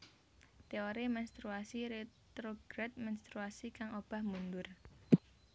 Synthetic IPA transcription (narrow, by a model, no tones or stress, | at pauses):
t̪eoɾimɛnst̪ɾuasiɾet̪ɾoɡ̥ɾɛt̪̚mɛnst̪ɾuasikaŋob̥a̤hmund̪ʊr